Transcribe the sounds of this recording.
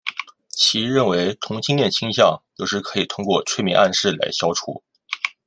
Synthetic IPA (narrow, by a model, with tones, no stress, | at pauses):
t͡ɕʰi˧˥ɻə˥˩nwe˧˥ɪt̪ʰʊ˧˥ŋt͡ɕʰi˥ŋljɛ˥˩nt͡ɕʰi˥ŋɕ̬jɑ˥˧˩ŋjo˥˧ʊʂɻ̩˥˧kʰɤ˧˥i˨˩t̪ʰʊ˥ŋkwɔ˥˧ʈ͡ʂʰwe˥˩ɪmɛ̰˧˥ʔa˥˧nʂɻ̩˥˩la̰˧˥ɪɕjɑ˥ʊʈ͡ʂʰṵ˨˩˦